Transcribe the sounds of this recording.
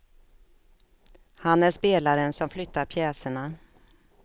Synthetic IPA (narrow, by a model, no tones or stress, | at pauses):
hanæɾʂpeːlaɾənsɔmflʏt̪ʰːaɾpʰjɛːsəɳa